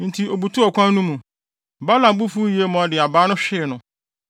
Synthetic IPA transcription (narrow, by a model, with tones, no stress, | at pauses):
n̩˨tʰi˨o˨bu˨tʰu˦ɔ˨kʷʰã˦nũ˦mũ˨ | ba˦lã˨m˨bu˦fu˦ji˨e˦mɔ̃˨a˨˦dɪ˨a˨baː˦nʊ̃˦ɕᶣɪ˦˨nʊ̃˨